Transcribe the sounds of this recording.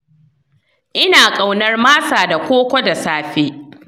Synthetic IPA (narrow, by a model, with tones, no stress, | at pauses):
ʔɪ˦naː˨kʼa˨wnɐ˦rmaː˦saː˨da˨kʷoː˦kʷɔ˦da˨saː˦ɸeː˦